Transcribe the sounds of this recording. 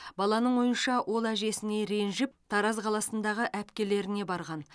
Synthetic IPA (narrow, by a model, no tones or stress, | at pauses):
bɑlˠɑnəɴwo̞jənʃɑwʔo̞lˠæʒe̞sɪne̞ɾe̞nʒɪp̚t̪ʰɑɾɑzqʰɑlˠɑsənd̪ɑʁəʔæpkʲe̞le̞ɾɪne̞bɑɾʁɑn